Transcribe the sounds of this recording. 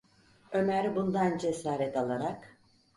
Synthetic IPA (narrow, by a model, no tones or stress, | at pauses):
ø̞mæɾbund̪and͡ʒesaːɾɛt̪ʰalˠaɾak